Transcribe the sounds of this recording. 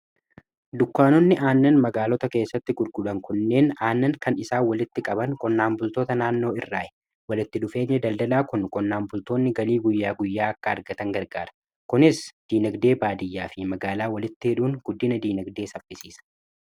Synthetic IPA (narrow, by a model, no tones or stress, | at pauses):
d̪ʊkːaːnɔnːɪʔaːnːɐnmɐɡaːlɔt̪ɐke̞ːsːɐt̪ːɪɡʊɾɡʊᶑɐŋkʊnːe̞ːnaːnːɐŋkɐnɪsaːwɐlɪt̪ːɪkʼɐbɐŋkɔnːaːmbʊlt̪oːt̪ɐnaːnːo̞ːɪrːaːʔɛ̥ | wɐlɪt̪ːɪᶑʊfe̞ːɲːɛd̪ɐld̪ɐlaːkʊnkɔnːaːmbʊlt̪oːnːɪɡɐliːɡʊjːaːɡʊjːaːɐkːɐːɾɡɐt̪ɐŋɡɐɾɡaːɾɐ̥ | kʊnɪsd̪̥iːnɐɡd̪e̞ːbaːd̪ɪjːaːfɪmɐɡaːlaːwɐlɪt̪ːɪhɛᶑuːŋɡ̥ʊd̪ːɪnɐd̪iːnɐɡd̪eːsɐbɪsiːsɐ̥